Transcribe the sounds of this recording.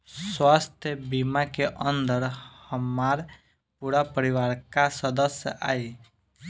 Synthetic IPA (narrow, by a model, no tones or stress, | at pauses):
swaːst̪ʰjəbimakeʔə̃nd̪əɾhəmaɾ | puɾapəɾiʋaːɾkasəd̪əsjəʔaːi